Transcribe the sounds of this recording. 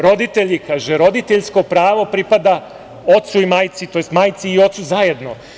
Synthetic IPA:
ɾo̞d̪it̪eʎikaːʒeɾo̞d̪it̪eʎsko̞pɾaːʋo̞pɾipad̪a | o̞t̪suimaːjt̪sit̪o̞jest̪maːjt̪siːo̞t̪suzaje̞d̪no̞

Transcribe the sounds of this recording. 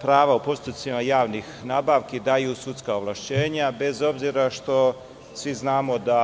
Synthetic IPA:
pɾaːʋaupo̞st̪ut̪simajaːʋnixnaːbaːʋkid̪ajusut̪skaoʋlˠaʃt͡ɕe̞ːɲabe̞zo̞bziɾaʃt̪o̞ | sʋiznaːmo̞d̪a

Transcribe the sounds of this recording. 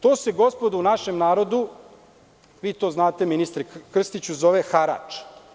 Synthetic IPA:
t̪oːseɡo̞spo̞d̪uunaʃemnaːɾo̞d̪u | ʋiːt̪o̞ːznaːt̪eminist̪ɾekr̩st̪it͡ɕuzo̞ʋexaɾa̰ːt͡ʃ

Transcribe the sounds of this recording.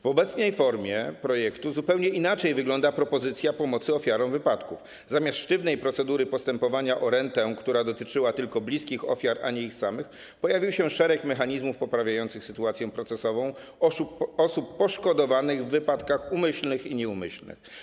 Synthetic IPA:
vɔbɛt̪sɲɛjfɔɾmʲjɛpɾɔjɛkt̪uzupɛwɲɛinat͡ʂɛjvɘɡlɔnd̪apɾɔpɔzɘt̪sʲjapɔmɔt̪sɘɔfʲjaɾɔ̃w̃vɘpat̪kuf | zamʲast̪ʂt̪ɘvnɛjpɾɔt̪sɛd̪uɾɘpɔst̪ɛmpɔvaɲaʔɔɾɛnt̪ɛkt̪uɾad̪ɔt̪ɘt͡ʂɘwat̪ɘlkɔblʲiskʲixɔ̰fʲjaɾa̰ɲɛixsamɘx | pɔjavʲiwɕɛʂɛɾɛkmɛxaɲizmufpɔpɾavʲajɔnt̪sɘxsɘt̪uat̪sʲjɛ̃pɾɔt̪sɛsɔvɔ̃w̃ | ɔsupːɔʂkɔd̪ɔvanɘɣvːɘpat̪kaxumɘɕlnɘxiɲɛumɘɕlnɘ̰x

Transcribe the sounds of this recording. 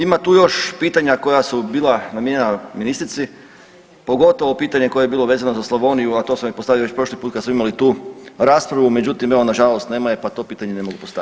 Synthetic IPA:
imat̪uːjo̞ʃpiːt̪aɲako̞jasubiːlˠanamjeɲenaminist̪ɾit̪si | po̞ɡo̞t̪o̞ʋopiːt̪aɲe̞ko̞jejebiːlˠo̞ʋeːzanozaslaʋo̞nijuat̪o̞smamipost̪aːioʋe̞t͡ɕpɾo̞ʃlipuːt̪kad̪smoimalit̪uːɾaːspɾaʋume̞d͡ʑut̪imeʋo̞naʒalost̪ne̞ːmajepat̪o̞piːt̪aɲe̞ne̞moɡupost̪a

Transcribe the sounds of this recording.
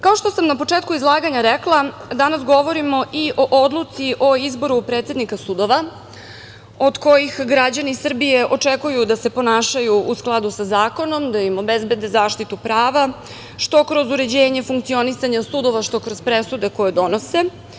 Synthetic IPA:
kao̞ʂt̪o̞samnapo̞t͡ʂeːt̪kuizlˠaːɡaɲaɾeklˠad̪anasɡo̞ʋo̞ɾimo̞ʔiʔo̞ʔod̪lˠut̪siʔo̞izbo̞ɾupɾe̞ːt̪sed̪nikasud̪o̞ʋa | o̞d̪ko̞jixɡɾad͡ʑanisr̩bijeʔo̞t͡ʂekujud̪ase̞po̞naːʃajuʔusklˠad̪usazaːko̞no̞md̪aimo̞bezbe̞d̪e̞zaːʃt̪it̪upɾaːʋa | ʃt̪o̞kɾo̞zuɾe̞d͡ʑeːɲe̞fuŋkt̪sio̞nisaɲasud̪o̞ʋaʃt̪o̞kɾozpɾe̞sud̪e̞ko̞jed̪o̞no̞se̞

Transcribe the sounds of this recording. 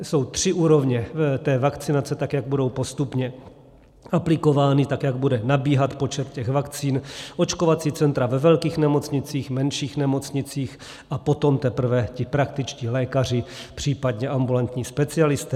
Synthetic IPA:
so̞wt̪r̝̥ɪʔuːɾo̞vɲɛvɛt̪ɛːvakt͡sɪnat͡sɛt̪akjaɡ̚budo̞wpo̞st̪upɲɛ | ʔaplɪko̞vaːnɪt̪akjaɡ̚budɛnabiːɦat̪po̞t͡ʃɛt̪cɛɣvakt͡siːnʔo̞t͡ʃko̞vat͡siːt͡sɛnt̪ɾavɛvɛlkiːxnɛmo̞t͡sɲɪt͡siːxmɛnʃiːxnɛmo̞t͡sɲɪt͡siːx | ʔapo̞t̪o̞mt̪ɛpr̩vɛcɪpɾak̚t̪ɪt͡ʃciːlɛːkar̝ɪpr̝̥iːpad̪ɲɛʔambulant̪ɲiːspɛt͡sɪalɪst̪ɛ

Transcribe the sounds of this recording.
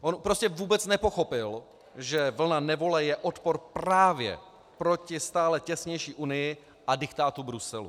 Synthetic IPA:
ʔonpɾo̞scɛvuːbɛt͡snɛpo̞xo̞pɪl | ʒɛvl̩nanɛvo̞lɛjɛʔot̪poɾpɾaːvjɛ̰ | pɾo̞cɪst̪aːlɛcɛsɲɛjʃiːʔunɪjɪ | ʔadɪkt̪aːt̪ubɾusɛlṵ

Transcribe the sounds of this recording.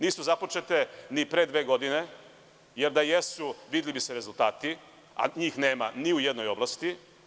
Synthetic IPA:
niːsuzapo̞t͡ʃe̞t̪e̞nipɾe̞d̪ʋe̞ːɡo̞d̪ine̞ | jeɾd̪ajesuʋid̪elibiseɾe̞zulˠt̪aːt̪i | a̰ɲiːxneːmaniujed̪no̞jo̞blˠast̪i

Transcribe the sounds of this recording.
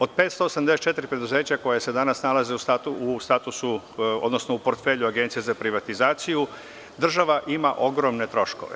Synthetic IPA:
o̞d̪̚peːt̪st̪o̞ːsamd̪esett͡ʃe̞t̪ɾipɾe̞d̪uze̞ːt͡ɕako̞jese̞d̪anasnalaze̞ust̪at̪uust̪aːt̪usu | o̰d̪no̞snoupoɾt̪feʎuaɡe̞nt̪sijezapɾiʋat̪izaːt̪siju | d̪r̩ʒaʋaʔimaʔo̞ɡɾo̞mne̞t̪ɾo̞ʃko̞̰ʋḛ

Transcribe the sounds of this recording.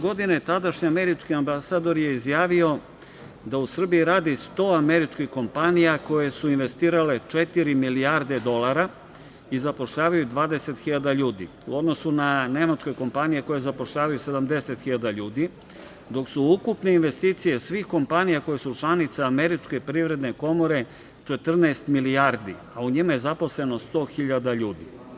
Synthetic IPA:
ɡo̞d̪inet̪ad̪aʃɲiame̞ɾit͡ʃkiambasaːd̪o̞ɾje̞izjaːʋio̞ | d̪ausr̩bijiɾaːd̪ist̪o̞ːame̞ɾit͡ʃkixko̞mpanijako̞je̞suinʋe̞st̪iːɾale̞t͡ʂet̪iɾimiliaɾd̪e̞d̪o̞laɾa | izapo̞ʃʎaːʋajud̪ʋaːd̪e̞se̞t̪xiʎad̪aʎuːd̪ḭ | ṵo̞d̪no̞sunane̞mat͡ʃko̞jko̞mpanijeko̞je̞zapo̞ʃʎaːʋajuse̞d̪amd̪e̞se̞t̪xiʎad̪aʎuːd̪i | d̪o̞ksuukupne̞inʋe̞st̪iːt̪sijesʋixko̞mpanijako̞je̞sut͡ʃlˠanit̪saːme̞ɾit͡ʃke̞pɾivɾe̞d̪neko̞mo̞ɾe̞ | t͡ʃe̞t̪r̩naːst̪miliaɾd̪ḭ | auɲimaje̞zapo̞sle̞no̞st̪o̞ːxiʎad̪aʎuːd̪ḭ

